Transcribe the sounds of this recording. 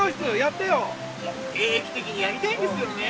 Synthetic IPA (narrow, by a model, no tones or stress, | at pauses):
oi̥st͡sɨjat̪ːejo | so | eːekʲi̥t̪ekʲiɲ̟ijaɾʲit̪ẽnd̪esɨjoe